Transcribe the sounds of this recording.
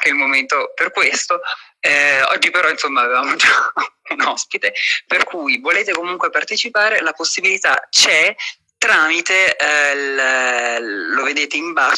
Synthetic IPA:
keilmoment̪operkwest̪oɛɔ̰d͡ʒːipeɾɔinsomːaːvevaːmod͡ʒaunɔspit̪eperkʰujvoleːt̪ekomuŋkwepart̪et͡ʃipaːɾelaposːibilit̪a̰t͡ʃɛ | t̪ɾaːmit̪el | oved̪eːt̪eimba

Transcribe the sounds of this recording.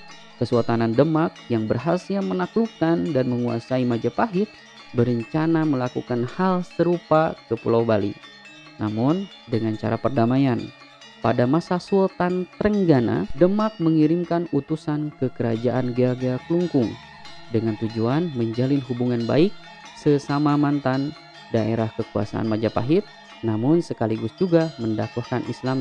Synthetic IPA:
kəsuat̪anandəmak̚jaŋbərɦasiamənaklukandanməŋua̰saimad͡ʒapaɦɪt̪̚ | bəɾəɲt͡ʃanaməlakukanhalsəɾupakəpṵlawbalḭ | na̰mʊn | dəŋant͡ʃa̰ɾa̰pərdamajan | padamasasut̪ant̪əɾəŋɡana̰dəmak̚məŋiɾimkanut̪usankəkəɾad͡ʒaʔanɡaɡakluŋkʊŋ | dəŋant̪ud͡ʒuanməɲd͡ʒalɪnɦubuŋanba̰ɪk̚ | səsamamant̪an | daʔeɾahkəkua̰sa̰a̰nmad͡ʒapa̰ɦɪt̪̚ | namʊnsəkaliɡʊsd͡ʒuɡaməndakwahkanʔislam

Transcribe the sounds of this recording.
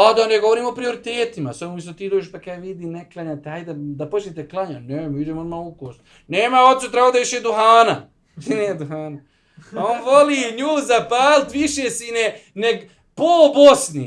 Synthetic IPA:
ad̪aneɡoʋoɾiːmo̞pɾio̞ɾit̪eːt̪ima̰samomis̬ot̪iːd̪oːd͡ʒeʃpakaʋid̪iːneklˠaɲat̪eaːjd̪ad̪apot͡ʃnet̪eklˠaɲanemiud͡ʒemonmalukoːst̪ | neːmaot̪sut̪ɾaɡoːd̪aʋiʃed̪uhaːna | t̪ineed̪uɦaːna | aoːnʋoliɲuːzapaːlt̪ʋiʃesineneɡ | pobosni

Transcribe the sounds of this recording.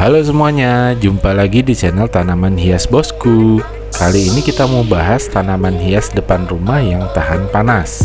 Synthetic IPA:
halos̬əmuaɲad͡ʒumpalaɡidit͡ʃɛnalt̪anamanɦiasbɔsku | kaliːnikit̪amubaɦast̪anamanɦiasdəpanrumahjaŋt̪aɦanpanas

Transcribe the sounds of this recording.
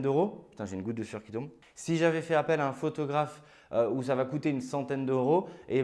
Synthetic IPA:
d̪øʁopy̥t̪ɛ̃ʒeynɡut̪̚d̪əfyʁkʲi̥t̪ɔ̃b | siʒavɛfɛapɛlaɛ̃fot̪ɔɡʁaf | øusavakut̪eynsɑ̃t̪ɛnd̪øʁoe

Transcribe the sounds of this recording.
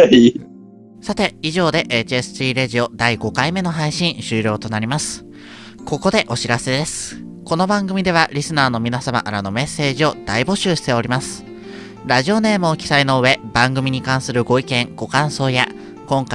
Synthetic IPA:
sat̪e̞iʑo̞ːd̪e̞ʔet͡ɕiesɨ̥t͡ɕiːɾeʑio̞d̪aiɡo̞kaime̞no̞ɦaiɕĩɰ̃ɕɨːɾʲo̞ːt̪o̞naɾʲimasɨ̥ | ko̞ko̞d̪e̞ʔo̞ɕiɾase̞d̪e̞sɨ̥ | ko̞no̞bãŋɡɯ̟mʲid̪e̞β̞aɾʲisɨnaːno̞mʲinasama̰ʔaɾano̞me̞sːe̞ːʑio̞d̪̥aibo̞ɕɨːɕi̥t̪e̞o̞ɾʲimasɨ̥ | ɾaʑio̞ne̞ːmɯ̟okʲi̥saino̞ɯ̟βe̞bãŋɡɯ̟mʲiɲ̟ikãɰ̃sɨɾɯ̟ɡo̞ikẽ̞ŋɡ̥o̞kãɰ̃so̞ːja | kõ̞ŋka

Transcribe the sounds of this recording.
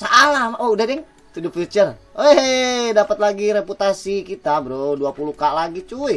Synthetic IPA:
saʔalamoudadɛŋ | t̪udupfit͡ʃəroedapət̪laɡiɾeput̪asikit̪abɾoduapulukaʔlaɡit͡ʃui

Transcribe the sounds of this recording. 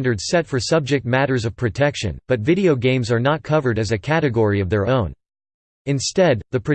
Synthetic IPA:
ndə˞dz̥sɛtfə˞sʌb̚d͡ʒɨk̚t̚mæɾə˞zʌv̥pʰɹ̥ɨtʰɛkʃɨ̰̃nb̥ʌtvɪɾioʊɡẽɪ̃mzə˞nət̚kʰʌvə˞ɾɨzɨkʰæɾɨɡɔɹiʌvðə˞õʊ̃n | ɨ̃nstɛd̪̚ðɨpʰɹ̥ɨ

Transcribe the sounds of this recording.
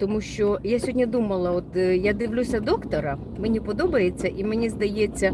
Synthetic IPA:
t̪ɔmuʃt͡ʃɔjasʲɦɔdʲnʲɐd̪umɐlˠɐɔt̪jad̪ɪʋlʲusʲɐd̪ɔkt̪ɔɾɐ | menʲipɔd̪ɔbɐjet͡sʲːɐʔimenʲizd̪ɐjet͡sʲːɐ

